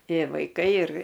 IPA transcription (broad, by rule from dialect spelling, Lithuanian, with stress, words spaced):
ˈtʲeː ʋɐɪˈkɐɪ ɪr